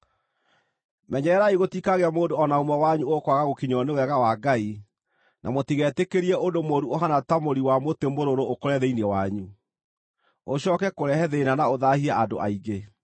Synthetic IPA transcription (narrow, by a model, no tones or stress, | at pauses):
mɛɲɛɾɛɾaiɣotikaɣeamoːndoɔnaomɔwaɲuokwaɣaɣokiɲɔnewɛɣawaɡai | nʔa̰motiɣɛtekeɾiɛʔondomoɾuoɦanatamoɾiwamotemoɾoɾookoɾɛðeinɛwaɲu | oɕɔːkɛkoɾɛhɛðenanaoðahiaado̰ʔa̰iɡe